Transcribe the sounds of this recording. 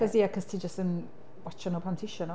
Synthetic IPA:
kɔziakʰɔz̥tʰiːd͡ʒəstən | wɔt͡ʃənopʰantʰɪʃənɔ

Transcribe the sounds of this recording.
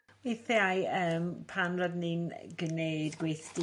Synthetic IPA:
wiθeajəːmpʰanrɔdninɡəneɨdɡwejθd̥i

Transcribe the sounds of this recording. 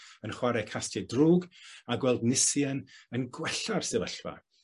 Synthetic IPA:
ənχwaɾɛkʰastʰɨdruːɡaɡwɛlˠdnɪsjənənɡwɛɬarsɛvə̰ɬva̰

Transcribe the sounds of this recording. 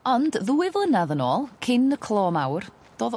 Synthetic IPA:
ɔndðuːɪvlˠənaðənoːlˠkʰɪnəkʰl̥ˠɔːmawr | d̥oːð

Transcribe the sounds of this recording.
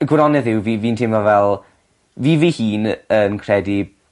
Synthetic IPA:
əɡwɾɔnɛðɪwviːviːntʰɪmvavɛlˠ | viːviːhiːnənkʰrɛdi

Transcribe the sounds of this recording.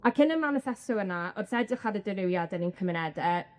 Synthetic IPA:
akʰɪnəmanəfɛsɔənaɔsɛdɪχadədɪɾɪwjadɛninkʰəmɪnɛdəː

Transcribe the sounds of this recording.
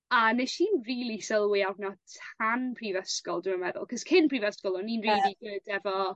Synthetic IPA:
aneʃiːnriːlˠisəlˠwɪarnɔtʰanpʰrivəskɔlˠdɪənwɛðʊ̰lˠkʰɔskʰɪnprivəskɔlˠɔninriːdiɡʊd̥ɛvɔ

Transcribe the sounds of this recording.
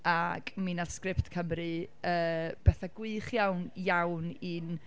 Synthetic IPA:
akminaðskrɪptkʰəmɾɨ | əːb̥ɛθaɡ̥wɨχjawnjawnin

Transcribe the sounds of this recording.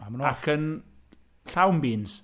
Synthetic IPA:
amnakʰən | ɬawmbiːns

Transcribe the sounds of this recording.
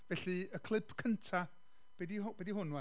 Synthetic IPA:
vɛɬiəkʰlˠɪpʰkʰəntʰa | b̥ɛdiɦʊb̥ɛdihʊnwɛ

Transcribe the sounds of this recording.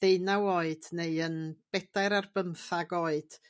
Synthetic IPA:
ðeɨnawoɨd̥neɨənb̥ɛd̥aɨɾarbəmθaɡoːɨd̥

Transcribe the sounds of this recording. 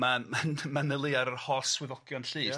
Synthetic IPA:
mamanmanəlˠɪaɾərhɔswɪðɔɡjɔnɬiː

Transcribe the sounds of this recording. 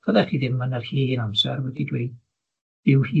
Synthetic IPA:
v̥əðɛχiːðɪmːənərhiːɪnamsɛrwɛdidwiː | dɪwhiː

